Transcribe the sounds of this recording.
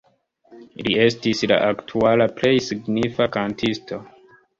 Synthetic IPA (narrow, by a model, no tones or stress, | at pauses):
lie̞stisla̰ʔaktʰualaple̞jsiɡnifakantʰistʰo̞